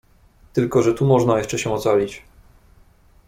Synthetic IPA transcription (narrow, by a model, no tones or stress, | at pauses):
t̪ɘlkɔʐɛt̪umɔʐnajɛʂt͡ʂɛɕɛ̃ɔt̪salʲit͡ɕ